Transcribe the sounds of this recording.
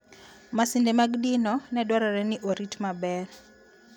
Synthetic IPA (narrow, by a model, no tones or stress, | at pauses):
masindemaɡdinɔnɛdwaɾɔɾɛnɪʔoɾitmabɛr